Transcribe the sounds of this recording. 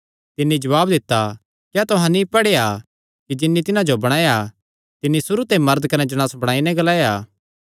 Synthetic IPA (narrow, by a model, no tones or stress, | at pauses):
t̪ɪnːid͡ʒɐʋaːbd̪ɪt̪ːa | kjat̪ʊɦãnipɐɽeːa | kid͡ʒɪnːit̪ɪnãd͡ʒobɐɽ̃aːja | t̪ɪnːisʊɾut̪ẽmɐɾəd̪kɐnɛd͡ʒɐñaːsbɐɽ̃aːinɛ̃ɡɐlaːjaː